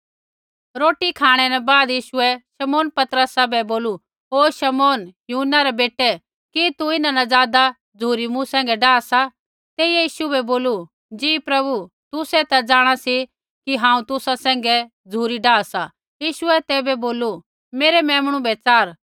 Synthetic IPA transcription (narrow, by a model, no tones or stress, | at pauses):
ɾoːʈikʰaːɽ̃ɛnɛbaːd̪jiːʃʊɛʃɐmoːnpɐt̪ɾəsabɛboːlu | ɦoːʃɐmoːnjuːɦnːaɾɛbeːʈːɛ | kit̪uɪnanad͡zaːd̪a | d͡zʱuːɾimũsɛ̃ːŋɡɛɖaːsa | t̪eːijɛjiːʃubɛboːlu | d͡ʒiːpɾɐbu | t̪ʊsɛt̪ad͡zaːɽ̃asi | kiɦãːũt̪ʊsasɛ̃ːŋ̆ɡɛ | d͡zʱuːɾiɖaːsa | jiːʃʊɛt̪ɛːbɛboːlu | meːɾɛmɛ̃ːmɽ̃ũbɛt͡saːɾ